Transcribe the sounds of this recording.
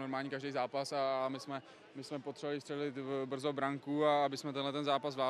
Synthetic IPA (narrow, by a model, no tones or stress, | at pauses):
oɾmaːlɲiːkaʒdɛjzaːpasamɪsmɛ | mɪsmɛpot̪r̥ɛvovalɪst̪r̥ɛlɪt̪br̩zobɾaŋkuaabɪsmɛt̪ɛnlɛt̪ɛnzaːpazvlaː